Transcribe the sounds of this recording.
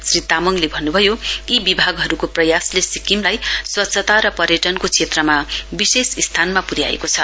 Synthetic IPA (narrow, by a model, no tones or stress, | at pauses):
srit̪amʌŋlebʱʌnːubʱʌjoibibʱaɡɦʌɾukoprʌjaslesikimlajswʌtsʰʌt̪aɾʌpʌɾjʌʈʌnkot͡sʰet̪rʌmabisesist̪ʰanmapuɾja̰ḛkot͡sʰʌ